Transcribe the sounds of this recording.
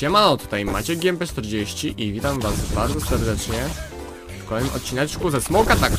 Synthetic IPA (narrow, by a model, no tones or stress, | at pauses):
ɛmanɔt̪u̥t̪ajmat͡ɕɛɡʲiɛmpɛt͡ʂt̪ɛɾd͡ʑeɕt͡ɕiʔivʲit̪amvasbaɾzɔsɛɾd̪ɛt͡ʂɲɛ | kɔlɛjmʔɔt̪̚t͡ɕinat͡ɕkuzɛsmɔkat̪ak